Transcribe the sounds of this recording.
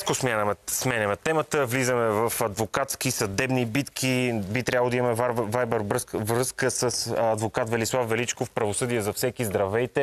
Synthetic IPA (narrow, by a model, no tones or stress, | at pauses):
kosmʲjanəmɛsmɛnɛmɛt̪ɛmət̪əvlizəmɛvɐfɐd̪vokat̪skisɐd̪ɛbnibit̪kʰibit̪ɾʲabəlˠd̪imɐmɛvavajbɛɾɾvɾɤskəsəsɐd̪vokat̪vɛlislˠafvɛlit͡ʃkofpɾɐvosɤd̪ijəzɐfsɛkizd̪ɾɐvɛjt̪ɛ